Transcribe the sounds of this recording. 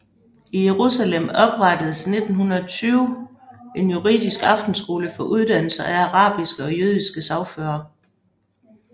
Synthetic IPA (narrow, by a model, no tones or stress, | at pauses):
ije̝ʁusælemɒ̽b̥ʁɑ̈d̥əð̩ˠsne̝d̥n̩ɦunɐt͡sʰyːʊ | e̝njuʁḭːðˠisɡ̥ɑ̈fd̥n̩sɡ̥o̝ːləfɒ̽ʔuð̞ˠd̥æn̰l̩sɐʔæɑʁɑ̰̈ːb̥isɡ̥əɒ̽jøð̞ˠisɡ̥əsɑʊføːɐ